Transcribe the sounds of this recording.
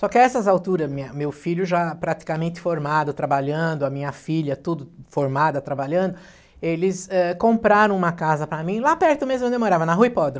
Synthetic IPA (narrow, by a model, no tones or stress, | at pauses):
sɔkɪɛsɐzawt̪uɾɐzmĩɲɐmewfiʎʊʒapɾat̪i̥kamẽnt̪ɪ̥foɾmad̪ʊt̪ɾabaʎɐ̃d̪ʊɐmĩɲɐfiʎɐt̪ud̪ʊfoɾmad̪ɐt̪ɾabaʎɐ̃d̪ʊ | elɪsɛkõpɾaɾɐ̃w̃ũmɐkazɐpɾɐmĩlapɛɾt̪ʊmezmõd̪ewmoɾavɐnɐɦujpɔd̪ɾɐ